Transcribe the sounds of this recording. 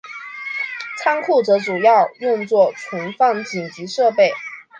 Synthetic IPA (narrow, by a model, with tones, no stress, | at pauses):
t͡sʰa˥ŋkʰu˥˩ʈ͡ʂɤ˧˥ʈ͡ʂu˨˩jɑ˥˧ʊjʊ˥˧ŋt͡swɔ˥˩ʈ͡ʂʰə˧˥nfɑ˥˧ŋt͡ɕi˨˩ŋt͡ɕi˧˥ʂɤ˥˧pe˥˩ɪ